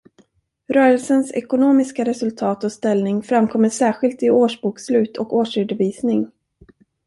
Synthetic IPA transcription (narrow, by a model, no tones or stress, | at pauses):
ɾœːɾəlsənsɛ̰kʊnoːmɪskaɾɛsɵlt̪ʰɑːt̪ɔst̪ɛlnɪŋfɾamkʰɔmːəʂæːɾɧɪlt̪ɪoːʂbuːkslʉ̟ːt̪ʰɔkoːʂʏɖ̪əviːsnɪŋ